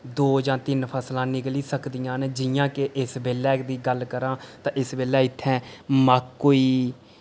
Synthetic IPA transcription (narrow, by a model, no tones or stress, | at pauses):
d̪oːd͡ʒãːt̪ɪnpʰəslãːnɪkliːsəkd̪ɪjãːnd͡ʒɪjãːkeʔɪsbeːlɛːkd̪iːɡəlkəɾãːt̪ãːʔɪsbeːlɛːɪt̪ʰːɛ̃ːmaːkːoːiː